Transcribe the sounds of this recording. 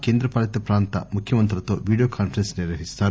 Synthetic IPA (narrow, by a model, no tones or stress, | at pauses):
keːnd̪ɾɐpaːlɐt̪ɐpɾaːnt̪ɐ̰mukʰjɐmɐnt̪̬ɾɐlɐt̪o̰ːʋiːɖijokʰaːnpɐɾensniɾʋɐɦist̪aːɾu